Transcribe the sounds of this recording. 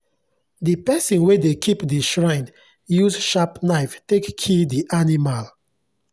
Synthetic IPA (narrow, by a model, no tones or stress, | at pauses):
dipɛsɔ̃nwedekʰipdiʃɹãɪ̃n | juzʃapnaɪftekʰːidiʔanimal